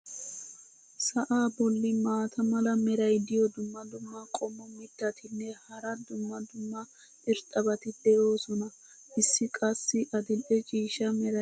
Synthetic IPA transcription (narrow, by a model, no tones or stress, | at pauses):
sɐʔaːbɔlːɪmaːt̪ʰɐmɐlɐmɛɾɐjd̪ɪjɔd̪ʊmːɐd̪ʊmːɐkʼɔmːɔmɪt̪ːɐt̪ɪnːɛhɐɾɐd̪ʊmːɐd̪ʊmːɐ | ʔɪɾt̪ʼɐbɐt̪ɪd̪̥ɛʔo̞ːsɔnɐ | ʔɪsːɪkʼɐsːɪʔɐd̪ɪlʔɛt͡ʃʼiːʃɐmɛɾɐ